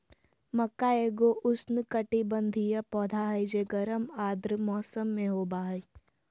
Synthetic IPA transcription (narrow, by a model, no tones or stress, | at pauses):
mɐkːaeːɡoʔʊsnkɐʈibɐ̃nd̪ʱijəpɔːd̪ʱaɦɐjd͡ʒeːɡɐɾəmaːd̪ɾmɔːsəmːẽɦoːbaːɦi